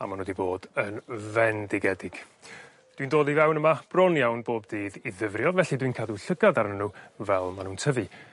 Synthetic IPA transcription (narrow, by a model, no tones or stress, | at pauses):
a̰manədiboːdənvɛndɪɡɛdɪɡ̥ | d̥windoːðivɛwnəmab̥rɔnjawnboːb̚diːðiðəvrjɔvɛɬidwinkʰaːduɬəɡaðaɾənuvɛlˠmanũːntʰəvɨ